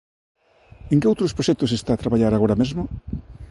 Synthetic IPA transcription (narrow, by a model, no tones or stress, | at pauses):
ẽŋkɪowt̪ɾospɾoʃɛk̚t̪osest̪aːt̪ɾaβaʎaɾaɣoɾamezmʊ